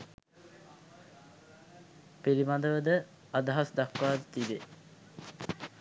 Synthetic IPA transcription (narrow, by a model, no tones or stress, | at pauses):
piɾimad̪əʋəd̪ə | ad̪aɦasd̪akʋaːd̪ət̪ibe